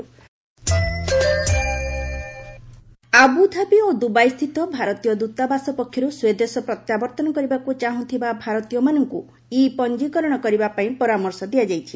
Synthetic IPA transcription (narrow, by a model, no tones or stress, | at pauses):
abud̪ʱabiod̪ubajst̪ʰit̪ɔbʱaɾɔt̪ijɔd̪ut̪abasɔpɔkʰːjɔɾusued̪esɔpɾɔt̪jabɔɾt̪ɔnɔkɔɾibakut͡ʃaɦũt̪ʰibabʱaɾɔt̪ijɔmanɔŋku | ipɔnd͡ʒikɔɾɔɽ̃ɔkɔɾibapaĩpɔɾamɔɾsɔd̪iad͡ʒajt͡ʃʰi